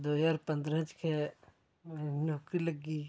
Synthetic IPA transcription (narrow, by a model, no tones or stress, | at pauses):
d̪oːjaːɾpɐ̃nd̪ɾə̃t͡ʃkʰe | noːkɾiləɡi